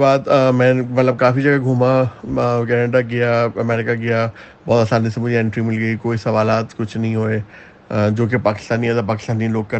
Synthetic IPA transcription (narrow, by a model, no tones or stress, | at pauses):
baːd̪mɛ̃ːmɐt̪ləb̚kaːfid͡ʑɐɡaɡʱʊma | kɛːneːɖaɡɪjaɐmɛːɾɪkaɡɪja | bɔːt̪ɐsaːnĩsãmʊ̃d͡ʑiɛ̃ɳʈɾimɪlɡəikoːisɐʋaːlaːt̪kʊd͡ʑʱnɐĩɦoe | d͡ʑoːk̬epaːkɪ̥st̪aːniat̪ɐpaːkɪ̥st̪aːniloːk̚kːɐɾ